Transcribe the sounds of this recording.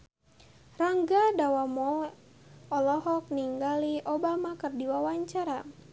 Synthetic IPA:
raŋɡadawamɔ | ɔlɔɦɔk̚niŋɡaliobamakɨrdiwawaɲt͡ʃaɾa

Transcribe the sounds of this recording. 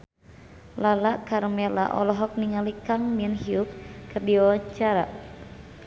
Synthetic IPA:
lalaʔkaɾmɛla̰ʔɔ̰lɔɦɔk̚niŋalikaŋminhiup̚kərdiɔt͡ʃaɾa̰ʔ

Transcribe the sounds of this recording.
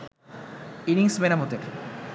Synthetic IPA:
iniŋsmenamot̪eɾ

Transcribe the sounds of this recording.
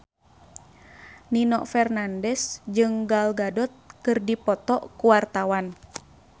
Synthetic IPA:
ninɔ̰ʔfɛrnandɛsd͡ʒɨŋɡalɡadɔt̪̚kɨrdipɔt̪ɔʔkuwart̪awan

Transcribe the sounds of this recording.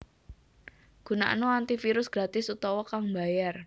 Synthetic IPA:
ɡ̥ṳna̰ʔnoant̪ifiɾʊsɡ̥ɾat̪ɪsut̪ɔwɔkaŋba̤jar

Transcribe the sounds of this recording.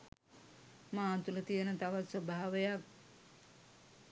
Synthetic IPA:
maːnt̪ulət̪ijənət̪aʋat̪səbaɦaʋejak̚

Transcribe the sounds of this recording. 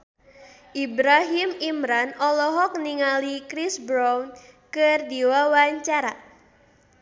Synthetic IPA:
ʔibɾaɦimimɾanɔlɔɦɔk̚niŋalikɾisbɾawnkərdiwawaɲt͡ʃaɾa

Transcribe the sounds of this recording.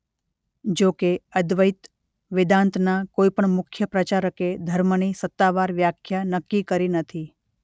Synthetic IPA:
d͡ʒokeəd̪ʋəit̪ | ʋɪd̪ãnt̪nakoipəɳmʊkʰjəpɾət͡ʃaɾəked̪ʱəɾmənisət̪ːaʋaɾʋjakʰjanəkːikəɾinət̪ʰi

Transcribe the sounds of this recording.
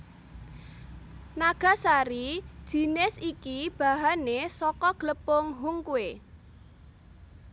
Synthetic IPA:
naɡ̥a̤saɾid̥ʒ̥i̤nɪsikib̥a̤ɦanesɔkɔɡ̥ləpʊŋɦuŋkue

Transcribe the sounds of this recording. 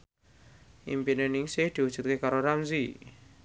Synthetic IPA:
ʔḭmpinenɪŋsɪhd̪̥i̤wud̥ʒ̥ut̪̚kekaɾoɾamzi

